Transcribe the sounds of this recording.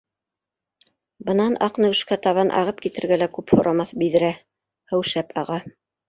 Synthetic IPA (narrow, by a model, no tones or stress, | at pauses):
bɤ̆nɑnʔɑqnɤwɘ̆ʃkæt̪ɑβɑnʔɑ̰ʁɤp̚kit̪ɘ̆ɾɡælækʉphŏɾʔɑmɑθbiðɘ̆ɾæ | hɘ̆wʃæpʰɑʁɑ